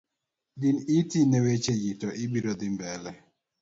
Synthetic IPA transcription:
dɪnitinɛwet͡ʃejitɔʔɪbiɾɔd̪ɪmbɛlɛ

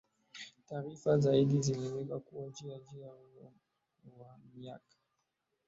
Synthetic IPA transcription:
taːɾifazaiɗiziliwɛkakuwad͡ʒiad͡ʒiaulɔ | wamia̰kḁ

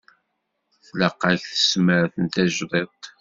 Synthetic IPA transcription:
θləqːaçθə̥sməɾθənt̪æʒðˤet̪ˤ

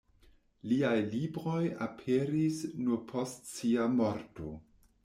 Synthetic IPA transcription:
liajlibɾo̞ja̰pʰeɾisnuɾpʰostsiamoɾto̞̰

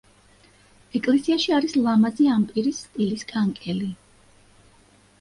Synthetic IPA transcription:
ɛkʼlɛsiaʃiaɾislˠamaziampʼiɾisːt̪ʼiliskʼaŋkʼɛli

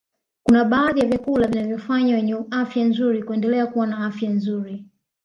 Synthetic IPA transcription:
kunaɓaːðijavjakulavinavjɔfaɲwawɛɲɛafjanzuɾikuɛndɛlɛakuwanaafjanzuɾi

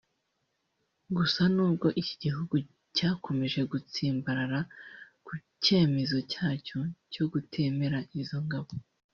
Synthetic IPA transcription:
ɡusanuːb̚ɡo̞ʔici̥ɟiɦuɡu | caːkʰo̞me̞ʒe̞ɡut͡siːmbaɾaɾa | kuce̞ːme̞zo̞caːcoco̞ɡutʰe̞ːme̞ɾaʔizo̞ŋɡaβo

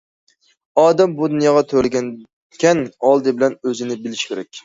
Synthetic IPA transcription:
ɑːd̪ɛmbud̪unjɑːʁɑt̪ʰøɾlɪɡʲɛn | kʲʰɛnɑlˠd̪ɨbɪlɛnøzɪnɪbɪlɪʃkʲʰeɾɛkʲ

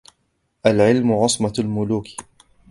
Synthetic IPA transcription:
ʔalʕɪlmʊʕɑsˤmɑlmʊluːk

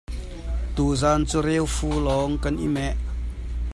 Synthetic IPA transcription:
t̪uːzaːnt͡suɾewfuːlɔŋkanʔḭmɛʔ

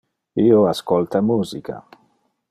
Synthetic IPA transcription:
ioaskɔlt̪amuːzikʰa̰

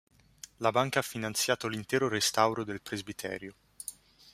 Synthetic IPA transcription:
labaŋkaafːinant̪sjaːt̪olint̪ɛːɾoɾest̪awɾod̪elpɾezbit̪ʰɛ̰ːɾjo

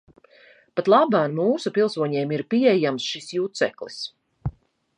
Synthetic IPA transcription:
pat̪lˠabanmuːsupilˠsuɔɲeːmiɾpiɛjamsʃisjut̪sɛ̰klis

